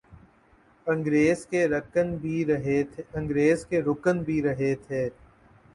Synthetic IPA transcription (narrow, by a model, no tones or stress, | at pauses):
ɐ̃ŋɡɾeːzkeɾɐkənbʱiɾɦet̪ɐ̃ŋɡɾeːzkeɾʊkənbʱiɾɐɦet̪ʰeː